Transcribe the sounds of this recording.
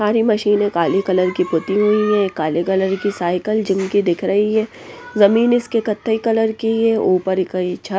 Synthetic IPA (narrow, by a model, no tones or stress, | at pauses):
saːɾimɐʃiːnẽkaːlekɐləɾkipʊt̪iɦuiɦɛ̃kːaːlekɐləɾkisaːɪkəld͡ʒɪmkid̪ɪkʰɾɐɦiɦɛ̃ː | zɐmiːnɪskekɐt̪ʰːeikɐləɾkiɦɛʔuːpəɾkɐit͡ʃʰɐ